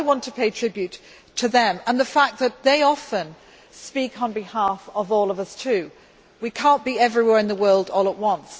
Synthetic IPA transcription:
ɪwɑ̃ntʰəpʰeɪtʰɹ̥ɪbjʉtʰ | ɨðɨ̃mə̃nðəfæk̚ðɨt̪̚ðeɪɑfə̃n | spikʰn̩bɪhæfʌvɔlˠʌvʌstʰʉ | wikʰæ̃ˑnb̥iɛvɹiwɛɹɨ̃nðəwɜ˞lˠdɔlˠəʔ̚wʌ̃ns

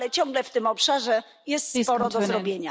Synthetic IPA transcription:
lɛt͡ɕɔ̃ŋɡlɛft̪ɘmɔpʂaʐɛ | jɛst̪spɔɾɔd̪ɔzɾɔbʲjeɲa

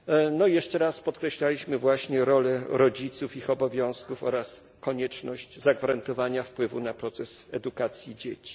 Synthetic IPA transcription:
nɔjɛʂt͡ʂɛɾaspɔt̪kɾɛɕlalʲiɕmɘvwaɕɲɛɾɔlɛɾɔd͡ʑit̪sufixɔbɔvʲjɔ̃w̃skufɔɾas | kɔɲɛt͡ʂnɔɕt͡ɕzaɡvaɾant̪ɔvaɲafpwɘvunapɾɔt̪sɛsɛd̪ukat̪sʲjid͡ʑet͡ɕi̥

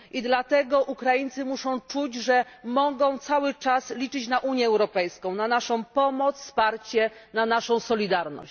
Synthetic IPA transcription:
ʔid̪lat̪ɛɡɔʔukɾajint̪sɘmuʂɔ̃w̃t͡ʂud͡ʑʐɛmɔɡɔ̃w̃t̪sawɘt͡ʂaslʲit͡ʂɘt͡ɕnaʔuɲjɛːwɾɔpɛjskɔ̃w̃nanaʂɔ̃w̃pɔmɔt̪sfspaɾt͡ɕɛnanaʂɔ̃w̃sɔlʲid̪aɾnɔ̰ɕ

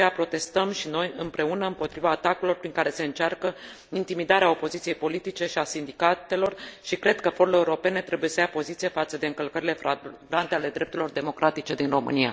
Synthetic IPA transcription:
eapɾo̞t̪e̞st̪əmʃino̞jɨmpɾe̞unəɨmpo̞t̪ɾivaːt̪akulo̞rpɾiŋkaɾe̞se̞ɨnt͡ʃarkə | int̪imid̪aɾeao̞po̞zit̪sije̞jpo̞lit̪it͡ʃe̞ʃiasind̪ikat̪e̞lo̞rʃikɾe̞d̪kəfo̞ɾuleeuɾo̞pe̞ne̞t̪ɾe̞buje̞səjapo̞zit̪sijefat̪səd̪e̞ɨŋkəlkəɾile̞fɾaɡɾant̪eale̞d̪ɾept̪uɾilo̞rd̪e̞mo̞kɾʔat̪it͡ʃe̞d̪inro̞mɨ̰nija̰

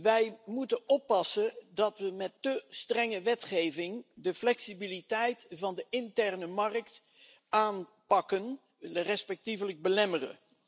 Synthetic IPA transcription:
ʋɛjmutəɔpːɑsədɑtʋəmɛtːəstrɛŋəʋɛtχejvɪŋdəflɛksibilitɛjtvɑndəʔɪntɛrnəmɑrəkt | aːn | pɑkən | ərɛspɛk̚tivələɡ̚bəlɛmərə̰

